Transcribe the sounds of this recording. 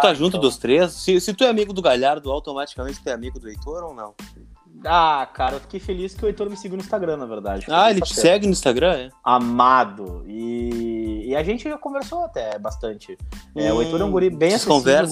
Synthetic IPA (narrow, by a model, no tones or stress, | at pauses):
t̪t̪aʒũt̪̬ʊd̪ost̪ɾessɪsɪt̪uɛamiɡʊd̪ʊɡaʎaɾd̪ʊawt̪omat͡ʃi̥kamẽnt͡ʃɪ̥t̪uɛamiɡʊd̪ʊejt̪oɾownɐ̰̃w̃ | akaɾɐewfi̥kejfeliskʲɪʊejt̪oɾmɪsiɡiʊnʊĩst̪aɡɾɐ̃nɐveɾd̪a̰d͡ʒɪaelɪt͡ʃɪsɛɡɪnʊĩst̪aɡɾɐ̃ɛamad̪ʊɪː | aʒẽnt͡ʃɪʒakõveɾsoat̪ɛbast̪ɐ̃nt͡ʃɪɛʊej̪oɾeũɡoɾibẽj̃skõvɛɾs